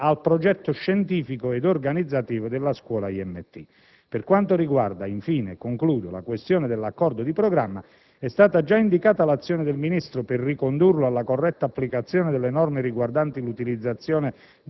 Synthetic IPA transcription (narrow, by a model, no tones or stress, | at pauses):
alpɾɔd͡ʒɛt̪ːʊʃːɛnt̪iːfikʊed̪orɡanid̪zːat̪iːvʊd̪elːaskwɔːlaiɛmːet̪ːḭ | pɪrkwant̪ʊɾiɡwa̰rd̪aiɱfiːnekoŋkluːd̪ola̰kwest̪jɔːnɪd̪elːakːɔrd̪ʊd̪ipɾɔɡɾamːa | ɛst̪aːt̪ad͡ʒaind̪ikaːt̪alat̪sːjɔːnɪd̪elminist̪ɾʊpɪrːikond̪urlʊalːakorːɛt̪ːaːpːlikat̪sːjɔːnɪd̪elːenɔrmɪɾiɡward̪ant̪ilut̪ilid̪zːat̪sːjɔːnɪ